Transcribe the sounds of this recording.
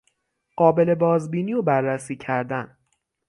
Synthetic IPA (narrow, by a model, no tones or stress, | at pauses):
ɢ̥ɒːbe̞le̞bɒːzbiːniːobærːæsiːcʰæɾd̪æn